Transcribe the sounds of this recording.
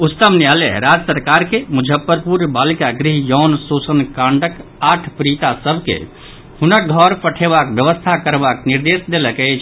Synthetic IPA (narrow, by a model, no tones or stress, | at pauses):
ut̪əmnjalḛɾad͡ʒsəɾkaɾkemud͡ʒʱəpːəɾpuɾbalikaɡɾiɦjɔnsosənkãɳɖək | aʈʰpɾit̪asəbʱkḛ | hunək̚ɡʱɔɾpəʈʰebakbjəʋəst̪ʰakəɾbakniɾd̪esd̪eləkɛt͡ʃʰ